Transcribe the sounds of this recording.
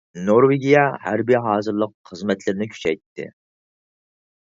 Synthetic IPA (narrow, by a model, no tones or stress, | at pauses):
noɾweɡʲijɛhæ̰ɾbiɦɑːzɨɾlˠəqχəzmɛt̪ʰlɪɾɪnɪkʲʰy̥t͡ʃʰɛ̰jt̪ʰːɪ̰